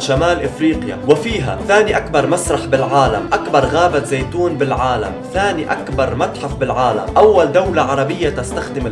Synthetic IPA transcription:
ʃamaːlʔɪfɾiːqja̰wɪfiːɦa̰θaːniʔakbɑɾˤmasɾˤɑħbɪlʕaːla̰mʔakbɑɾˤɣaːbat̪zejt̪uːnbɪlʕaːla̰mθaːniʔakbɑɾˤmat̪ħafbɪlʕaːla̰mʔawːald̪awlaʕɑɾˤɑbɪjːat̪ast̪axd̪ɪm

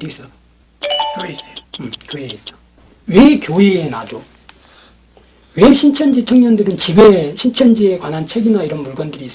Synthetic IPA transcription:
is͈ʌ | kis͈omkjoeis͈ʌ | wekjoienado | weɕʰint͡ɕʰʌnd͡ʑit͡ɕʰʌŋɲʌndɯɾɯnt͡ɕibeɕʰint͡ɕʰʌnd͡ʑiekwanɦant͡ɕʰe̞ɡinaiɾʌnpuɭɡʌndɯɾiːs͈

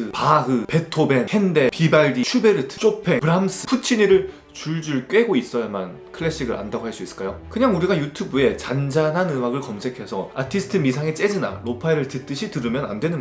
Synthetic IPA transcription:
ɯpaɡɯpe̞tʰobe̞nhende̞pibaɭdiɕʰube̞ɾɯtʰɯ̥t͡ɕ͈opʰe̞pɯɾams͈ʰɯ̥pʰut͡ɕʰiɲiɾɯɭ | t͡ɕuɭd͡ʑuɭk͈ɥe̞ɡois͈ʌjaman | kʰɯɭːeɕ͈ʰiɡɯɾʔa̰ndaɡoɦaɭs͈uis͈ɯ̥k͈ajokɯɲaŋuɾiɡajutʰubue̞t͡ɕand͡ʑanɦanɯmaɡɯɭkʌmsʰe̞kʰe̞sʰʌa̰tʰisʰɯ̥tʰɯmisʰaŋet͡ɕ͈e̞d͡ʑina̰ɾopʰaiɾɯɭtɯt͈ɯɕʰitɯɾɯmjʌna̰ndwe̞nɯn

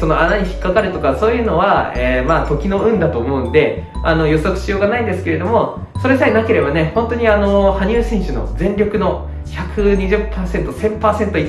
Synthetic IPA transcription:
so̞no̞anaɲ̟içi̥kːakaɾɯ̟t̪o̞kaso̞ːjɯ̟ːno̞βaemat̪o̞kʲino̞ɯ̟̃nd̪at̪o̞ːmo̞ɯ̟̃nd̪e̞ | ano̞jo̞sokɯ̟̥ɕijo̞ːɡanaĩnd̪e̞sɨ̥ke̞ɾe̞d̪o̞mo̞ | so̞ɾe̞saenake̞ɾe̞bane̞hõ̞nt̪o̞ɲ̟iano̞haɲ̟ʲɨːsĩɰ̃ɕɨno̞̰d͡zẽ̞ɲɾʲo̞kɯ̟no̞ | çʲakʰɯ̟ɲ̟iʑɨpːaːsẽ̞nt̪o̞sẽ̞mpaːsẽ̞nt̪oi

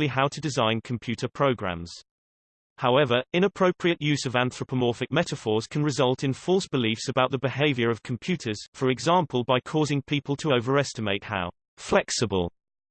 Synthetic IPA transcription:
liɦaʊtʰədɪzãɪ̃nkʰə̃mpʰj̥ʉˑtʰəpʰɹ̥əʊɡɹã̰mz̥ | haʊɛvəɹɪ̃ñəpʰɹ̥əʊpʰɹiəʔjʉːzəvæ̃nθɹəpʰəmɔˑfɪk̚mɛtəfɔːz̥kʰə̃nɹɪzʌlˠtʰɪ̃nfɔlˠsb̥ɪliˑfsəbaʊʔðəbɪheɪvjəɹəv̥kʰə̃mpʰj̥ʉˑtʰəz̥fəɹɪɡzɑ̃ˑmpʰəlˠbaɪkʰɔːzɪ̃ŋpʰiˑpəlˠtʰəoʊvəɹɛstɪmeɪtha̰ʊ | flɛksəbə̰lˠ

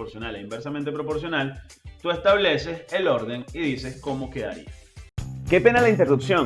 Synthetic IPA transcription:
oɾsjo̞naleimbeɾsamẽnt̪e̞pɾopo̞ɾs̬jo̞nalt̪ue̞st̪aβle̞se̞selo̞ɾðe̞niðise̞sko̞mo̞keða̰ɾḭa | ke̞pe̞nalaint̪e̞rupsjo̞

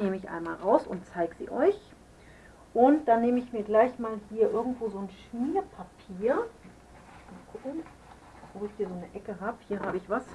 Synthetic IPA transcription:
neːməɪçʔa̰ɪnmaːlʁaʊsʊ̰nt̚t͡saɪɡəz̥ḭːʔɔʏç | ʔʊnt̚d̥anːeːməɪçmiːɐɡlaɪçmaːlhiːɐʔɪɐɡŋ̩tv̥oːzoːnʃniːɐpʰapʰiːɐ | makʰʊkŋ̩ | v̥oːɪçhiːɐzoːnəʔɛkəɦaːbəhiːɐɦaːbəɪçv̥as

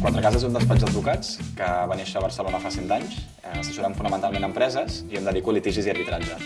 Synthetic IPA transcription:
kwant̪ɾəkazezund̪əspad͡ʒd̪əd̪βukat͡skəβaneʃəβəɾsəlonəfasent̪aɲs | ɛsəsuɾaɱfunəmənt̪alˠmenəmpɾɛzəziemd̪əðikulit̪iʒiziəɾβit̪ɾaʒə

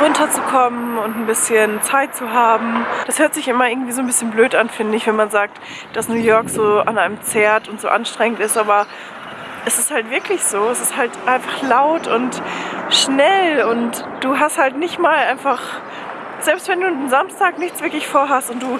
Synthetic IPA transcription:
ʁʊntɐt͡sukʰɔmənʊntn̩bɪsçənt͡saɪt̚t͡suɦaːbm̩d̥ashøːɐtz̥ɪçɪmɐʔɪɐɡŋ̩tv̥iːzoːnbɪsçənbløːtanfɪndəɪɪçv̥ɛnmanzaːk̚t | d̥asnuːjɔɐkz̥oːanaɪnəmt͡sɛːɐtʊntz̥o̰ːʔanʃtʁ̥ɛŋəntɪstʔaːbɐ | ʔɛsɪsthaltv̥ɪɐklɪçz̥oːɛsɪsthaltʔaɪnfaχlaʊtʊntʃnɛlʊntd̥uːɦasthaltnɪçtmaːlʔaɪnfaχ | z̥ɛlpstv̥ɛnduːdenzamstʰaːknɪçt͡sv̥ɪɐklɪçfoːɐɦastʊnt̚d̥uː

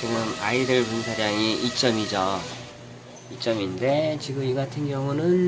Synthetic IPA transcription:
t͡ɕiɡɯmaidɯɭpunsʰaɾaŋiʔit͡ɕ͈ʌmid͡ʑʌ | it͡ɕ͈ʌminde̞t͡ɕiɡɯmiɡatʰɯnɡjʌŋunɯn

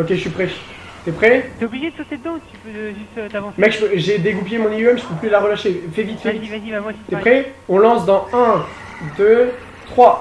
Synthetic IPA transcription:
okʲeʒəsipχɛʃ | t̪ɛpχɛt̪eobliʒed̪əsɔt̪ed̪d̪ɑ̃t̪y̥pøʒyt̪mɛkʒəpøʒed̪eɡupjemɔ̃niɛmʒəpøplylaʁəlaʃefɛvit̪fɛvit̪t̪ɛpχɛɔ̃lɑ̃sd̪ɑ̃ɛ̃ | d̪ø | t̪χwa

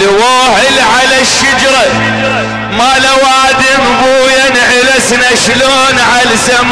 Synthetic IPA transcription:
lwaːʕɪlʕalaʃːad͡ʒɾˤɑ | malawaːd̪ɪmbuːjanʕɪlasnaʃloːnʕalsam

